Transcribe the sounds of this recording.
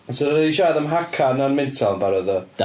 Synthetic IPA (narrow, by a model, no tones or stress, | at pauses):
soðədiʃaːðəmɦakʰananmɪntʰalˠnbaɾəðə